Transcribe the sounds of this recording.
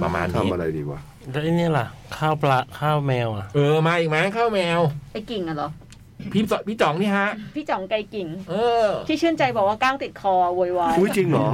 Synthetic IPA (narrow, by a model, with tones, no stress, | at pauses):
pa̰˧ma̰ː˧nʰa˧˦˧ma̰˧ɾa̰˧jdḭː˧kwa̰ː˧˩ | dɛ˧˥ʔa˧˩ni˦˥˨la˨˩ʔkʰaː˥˩wpla˧˥kʰaː˥˩wmɛː˧wʔa˨˩ʔʔɤː˧˩maː˧ʔiː˨˩k̚ma˦˥kʰaː˥˩wmɛː˧wʔa˧˩jki˨˩ŋːʔa˧˩lɔ˨˦ | pʰiː˦˥˩pʰiː˥˩t͡ɕɔ˩˦ŋnʰiː˥˩ɦa˦˥ʔpʰiː˥˩t͡ɕɔ˨˩˦ŋka˧jki˨˩ŋʔɤː˧iː˥˩ɯ˥˩ənt͡ɕa˧jbɔː˨˩k̚waː˥˩kaː˥˩ŋt̪i˨˩t̪̚kʰɔː˧woː˧jwaː˦˥˧u˧˦˧t͡ɕi˧ŋlɔ˨˦